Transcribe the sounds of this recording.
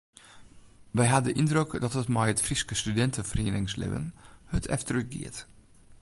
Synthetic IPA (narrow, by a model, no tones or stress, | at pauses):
ʋɛjɦadəʔindrøkdɔtətmɛjətfriskəstydɛntəfrinɪŋslɪ̰ʋə̰nhətʰɛ̰ftrəxɡɪ̰ət